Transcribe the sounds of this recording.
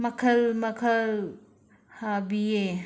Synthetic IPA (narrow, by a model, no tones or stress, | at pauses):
mɐkʰɐlmɐkʰɐl | habije